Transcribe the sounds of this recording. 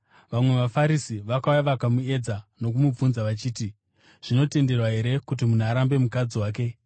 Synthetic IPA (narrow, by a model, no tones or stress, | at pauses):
ʋamwe̞ʋafaɾisiʋakaujaʋakamue̞d͡zano̞k̬umub͡vunzaʋat͡ʃiːti | ʐ̥ino̞te̞nde̞rwaɦe̞ɾe̞kut̬imun̤aɾambe̞mukad͡ziwaːk̬e̞